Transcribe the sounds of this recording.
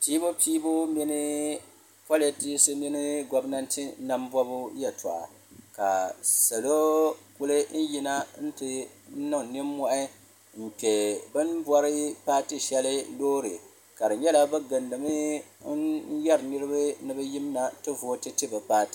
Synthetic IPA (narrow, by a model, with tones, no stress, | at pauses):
piː˦bo˦piː˦bo˦mi˦nɨ˦ | pa˦lɛ˦ti˦sɨ˦mi˦nɨ˦ɡɔ˦bna˦ntɨ˦na˦m˦bwa˦bu˦jɛ˨ta̰˨ʔa̰˨ | ka˨sa˨lo˦ku˦lɨ˦n̩˦ji˦na˦n̩˦tɨ˦ | nɨ˦˨nɪ˦mː˦ɔ˦ʔɪ˦ | m̩˨pɛ˨bɨ˦nbwɔ˦ɾɨ˦paː˦tɨ˦ʃɛ˦lɨ˦loː˦ɾɨ̰˨ | ka˨dɨ˨ɲɛ˦la˦bɨ˦ɡɨ˨ndɨ˨mɨ˦ | jɛ˦ɾɨ˨nɨ˦ɾɨ˦bɨ˦nɨ˦bɨ˦ji˦m˦na˨tɨ˦voː˨˦tɨ˦tɨ˦bɨ˨paː˦tɨ˦